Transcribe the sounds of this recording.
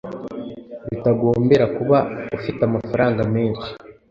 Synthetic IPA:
βitaɡo̞ːmbe̞ɾakuβaufitamafaɾaːŋɡame̞ːnʃi̥

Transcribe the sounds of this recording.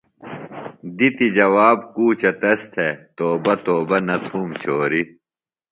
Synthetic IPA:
d̪it̪id͡ʑɐwaːb̚kuːt͡ɕɐt̪ɐst̪ʰet̪oːbɐt̪oːbɐnɐt̪ʰuːmt͡ɕʰoːɾi

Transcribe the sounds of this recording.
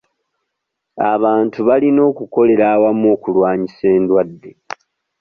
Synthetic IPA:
a̰βaːntuβalino̞ːkuko̞le̞ɾaːwamoːkulwaːɲise̞ːndwadːe̞

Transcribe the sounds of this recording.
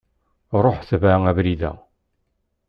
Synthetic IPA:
ɾˤoħθvæævɾiðæ̰

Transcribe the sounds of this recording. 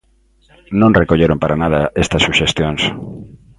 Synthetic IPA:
nõŋrekoʎeɾompaɾanað̞ɐest̪ɐsːuʃest̪joŋs

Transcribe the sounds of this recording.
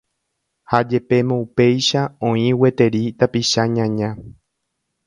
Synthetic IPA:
had͡ʒe̞pe̞mõupe̞jʃaõĩwe̞t̪e̞ɾit̪apiʃaɲãɲã

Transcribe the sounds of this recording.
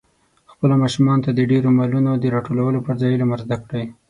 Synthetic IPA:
xpəlomɑʃumɑnot̪ad̪əɖeɾomalunod̪əɾɑʈolawəlopəɾzɑjlaməɾzd̪akɽaj

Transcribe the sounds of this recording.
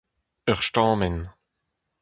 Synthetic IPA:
œʁʃtɑ̃ːmɛn

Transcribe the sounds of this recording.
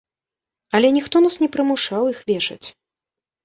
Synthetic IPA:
ɐlʲɛnʲixt̪ɔnasnʲɛpɾɨmuʂawixvʲɛʂɐ̰t͡sʲ

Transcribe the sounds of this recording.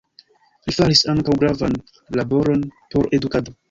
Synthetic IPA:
lifaɾisaŋkawɡɾavan | labo̞ɾo̞npo̞ɾe̞dukado

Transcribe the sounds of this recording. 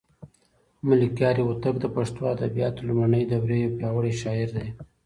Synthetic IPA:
mʊlikjɑɾiwʊt̪akd̪əpaʂt̪oad̪abijɑt̪lumanəjd̪əwɾejopjɑwəɽeʃɑɪɾd̪aj

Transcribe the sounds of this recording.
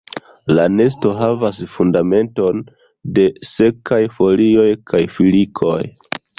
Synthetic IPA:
lane̞s̬to̞ɦavasfundame̞nto̞n | de̞se̞kajfo̞lio̞jkajfilikʰo̞̰j

